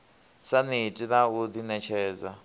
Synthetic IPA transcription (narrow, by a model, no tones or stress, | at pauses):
sanitʼinaud̪inɛt͡ʃʰɛːd͡za